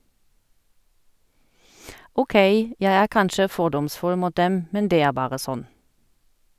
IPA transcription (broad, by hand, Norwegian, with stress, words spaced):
uːˈkeɪ ˈjæɪ ˈæːʁ ˈkɑnʃə ˈfɔʁdɔmˌsfʉl ˈmuːt ˈdɛm ˈmɛn ˈdeː ˈæːʁ ˈbɑːʁə ˈsɔn